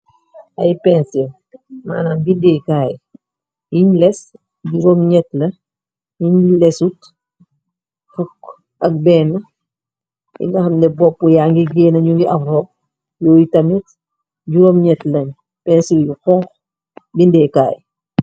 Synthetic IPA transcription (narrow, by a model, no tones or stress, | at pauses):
ɐjpɛnsil | ma̰ːnaːnbindɛkaːj | iɲlɛs | ɟuɾɔmɲɛtlɐ | iɲlɛsut | fɔkː | ɐk̚bɛːnɐ | ḭŋɡɐxɐmdɛbɔpːujaŋɡiɡɛːnɐɲuŋɡiʔɐfɾɔːp̚ | jɔːjitɐmit | ɟuɾɔmɲɛtlɐɲ | pɛnsiljuxɔŋk | bindɛka̰ːj